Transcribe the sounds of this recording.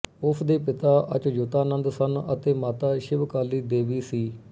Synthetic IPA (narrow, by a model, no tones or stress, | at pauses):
ʊpʰd̪eːpɪt̪aːʔə̰t͡ʃːd͡ʒʊt̪aːnənd̪sənə̰t̪eːmaːt̪aːʃɪʋkaːliːd̪eːʋiːsiː